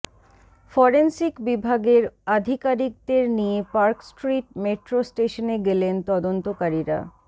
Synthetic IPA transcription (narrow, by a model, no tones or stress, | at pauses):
fɔɾensikbibʱaɡeɾad̪ʱikaɾik̚d̪eɾnijepaɾksʈɾiʈ̚meʈɾosʈeʃoneɡelent̪ɔd̪ont̪okaɾiɾa̰